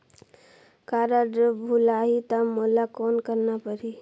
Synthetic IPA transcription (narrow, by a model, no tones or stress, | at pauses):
kaːɾaɖəbʱulaːɦit̪amoːlakɔːnkəɾnapəɾi